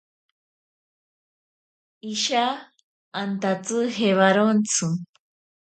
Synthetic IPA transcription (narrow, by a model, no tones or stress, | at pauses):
iʃaː | nt̪at͡sɨɦeβaɾont͡sʰɨ